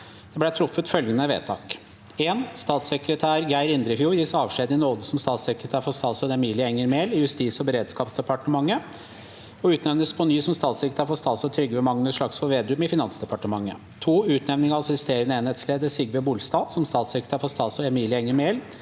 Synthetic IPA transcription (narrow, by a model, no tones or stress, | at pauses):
d̪̥ɛblæt̪ʰɾʊfːət̪fœlɡənəʋḛːt̪ʰɑ̰ːk | eːnst̪ɑːt̪sɛkɾət̪ʰæːɾɡæɪɾɪnd̪ɾəɪfjuːɾjɪsɔɑːʋʂeːd̪ɪnoːd̪əsɔmst̪ɑːt̪sɛkɾət̪ʰæːɾfɔst̪ɑːsɔd̪ɛmiːlɪəɛŋːəɾmeːlɪjʉst̪iːsɔbəɾeːd̪skɑːpsd̪ɛpɑʈəmɑŋːə | ɔʉːt̪nɛʋnəspʰɔnyːsɔmst̪ɑːt̪sɛkɾət̪ʰæːɾfɔst̪ɑːsɔt̪ʰɾʏɡːəʋɛmɑŋnəʂɭɑksfɔɾʋeːd̪ʉːmɪfɪnɑnsd̪ɛpɑʈəmɑŋːə̰ | t̪ʰuːʉːt̪nɛʋnɪŋəɑɑsɪst̪eːɾənəeːnhɛt̪sleːd̪əsɪɡʋɛbuːlst̪ɑːsɔmst̪ɑːt̪sɛkɾət̪ʰæːɾfɔst̪ɑːt̪sɔɛmiːlɪəɛŋːəɾmeːl